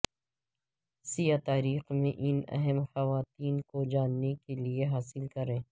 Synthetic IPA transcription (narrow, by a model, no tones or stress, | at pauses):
sijat̪aːɾiːxmẽʔɪnɛ̰ɦɛmxɐʋaːt̪iːnkod͡ʒaːnːekelieɦaːsɪlkɐɾẽː